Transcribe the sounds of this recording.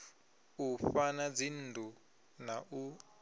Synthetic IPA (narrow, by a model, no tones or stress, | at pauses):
ufanad͡zin̩dʱʼu | naʔu